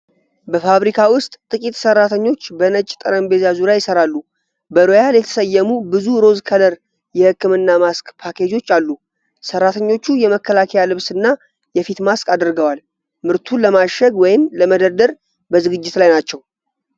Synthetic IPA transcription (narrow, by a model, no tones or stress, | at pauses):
bəfaβɾikʰawʊst̪ʼt̪ʼɨkʼit̪sərːat̪ʰəɲːo̞t͡ʃːbənət͡ʃʼːt̪ʼɨɾəmbe̞zazuɾjajɪsəɾalːu | bəɾojaljɛt̪ʰə̥səjːəmubɨzuɾo̞zkʰələɾ | jɛhɨkːɨmɨnːamaskʼpʰakʰe̞d͡ʒo̞t͡ʃːalːu | sərːat̪ʰəɲːo̞t͡ʃːujɛməkʰːəlakʰəjalɨβsɨnːa | jɛfit̪maskʼad̪ɨɾɡəwal | mɨɾt̪ʰuləmaʃəɡwɔjɪmləməd̪əɾd̪əɾ | bəzɨɡɨd͡ʒːɪt̪lajnat͡ʃːɛw